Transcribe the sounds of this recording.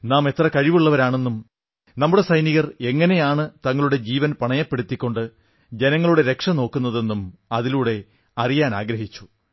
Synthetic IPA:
naːme̞t̪rɐkɐɻiʋuɭːɐʋɐɾaːɳe̞nːum | nɐmːuɽe̞sɐjniɣɐre̞ŋːɐnejaːɳɨt̪ɐŋːɐɭuɽe̞d͡ʑiːʋɐnpɐɳɐjɐpːe̞ɽut̪ːikʲːo̞ɳɖɨ | d͡ʑe̞nɐŋːɐɭuɽe̞ɾe̞kʂɐno̞ːkːun̪ːɐðe̞nːumɐðiluːɽe̞ | ɐrijaːnaːɡɾɐɦit͡ɕːu̥

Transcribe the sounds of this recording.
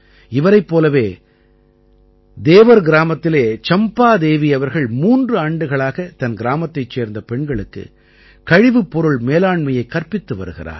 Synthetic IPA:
ɪʋɐɾɐɪpːoːlɐʋeː | d̪eːʋɐɾɡɪɾaːmɐt̪ːɪleːt͡ʃɐmpaːd̪eːʋiɐʋɐɾɣɐɭmuːndrɯaːɳɖɯɣɐɭaːɣɐt̪ɐnɡɪɾaːmɐt̪ːɐɪt͡ʃːeːɾnd̪ɐpɛɳɡɐɭɯkːɯ̰ | kɐɻɪʋɯpːɔɾɯɭmeːlaːɳmɐjɐɪkːɐɾpɪt̪ːɯʋɐ̰ɾɯɣɪra̰ːɾ

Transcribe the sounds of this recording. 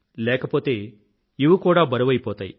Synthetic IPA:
lɛːkɐpo̞ːt̪e̞ː | iʋukuːɽaːbɐɾɐʋɐjipɔːt̪aːjḭ

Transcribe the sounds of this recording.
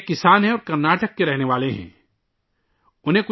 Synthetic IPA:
kɪsaːnɦɛ̃ɔːɾkɐɾnaːʈəkːeɾɛɦneʋaːleɦɛ̰̃ː | ʊnɦẽkʊ

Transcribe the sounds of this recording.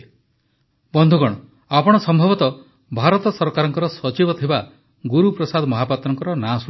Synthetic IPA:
bɔnd̪ʱuɡɔɽ̃ɔ | apɔɽ̃ɔsɔmbʱɔbɔt̪ɔ | bʱaɾɔt̪ɔsɔɾkaɾɔŋkɔɾɔsɔt͡ʃibɔt̪ʰiba | ɡuɾupɾɔsad̪mɔɦapat̪ɾɔŋkɔɾɔnas

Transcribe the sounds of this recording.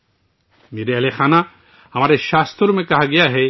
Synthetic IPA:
miɾeɛlexʰana | amaɾeʃast̪ʰoɾumekaɦaɡijaɦe

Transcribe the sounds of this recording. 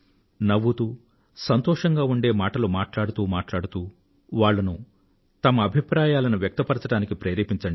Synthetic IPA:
nɐʋːut̪u | sɐnt̪ɔːʂɐŋɡaːuɳɖe̞ːmaːʈɐlumaːʈlaːɽut̪uːmaːʈlaːɽut̪uː | ʋaːɭːɐnu | t̪ɐmɐːbʱipɾaːjaːlɐnuʋjɐk̚t̪ɐpɐɾɐt͡ʃɐɽaːnikipɾeːɾiːpiɲt͡ʃɐɳɖi

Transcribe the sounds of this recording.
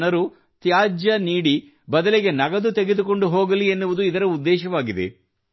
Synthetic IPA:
nɐɾu | t̪jaːd͡ʒjɐniːɽi | bɐd̪ɐleɡe̞nɐɡɐd̪ut̪e̞ɡed̪uko̞ɳɖuɦoːɡɐlienːuʋud̪uid̪ɐɾɐud̪ːɛːʃɐʋaːɡid̪e̞̰

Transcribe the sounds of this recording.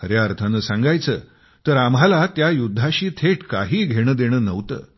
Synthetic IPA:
ɦəɾjaəɾt̪ʰanəsãŋɡajt͡sə̰ː | t̪əɾamɦalat̪jajud̪ʱːaɕiːt̪ʰeʈka̰ɦiːɡʱeɽ̃əːd̪eɽ̃əːnəʋt̪ə̰ː

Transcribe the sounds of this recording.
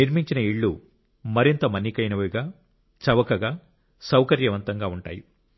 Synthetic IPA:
niɾmiɲt͡ʃinɐiɭːu | mɐɾint̪ɐmɐnːikɐjnɐʋɐjɡaː | t͡ʃɐʋɐkɐɡaː | sɐwkɐɾjɐʋɐnt̪ɐŋɡaːuɳʈa̰ːju

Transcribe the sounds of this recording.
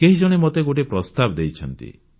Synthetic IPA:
keɦid͡ʒɔɽ̃emot̪eɡoʈ̬epɾɔst̪abd̪ejt͡ʃʰɔnt̪ḭ

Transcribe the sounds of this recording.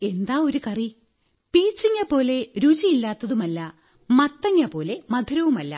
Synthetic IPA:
e̞nd̪aːo̞ɾukɐri | piːt͡ɕːiŋːɐpo̞ːle̞ɾut͡ɕijilːaːt̪ːɐðumɐlːɐ | mɐt̪ːɐŋːɐpo̞ːle̞mɐd̪ʱuɾɐʋumɐlːɐ̰

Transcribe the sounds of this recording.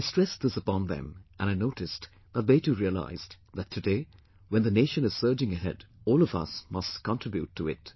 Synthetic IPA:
ɪstɹ̥ɛsðɪsəpɑ̃nðɨ̰̃mʔɨ̃ñaɪnoʊɾɨs | b̥ʌt̪̚ðeɪtuɹiəla̰ɪz̥ | ðɨtʰːɨdeɪ | wɛ̃nðɨneɪʃɨ̃nɨz̥sɜ˞d͡ʒɪ̃ŋɨɦɛ̰dɔlˠʌvʌ̰smʌstkʰɑ̃ntɹ̥ɪbjʉ̰tʰːəɪ̰t

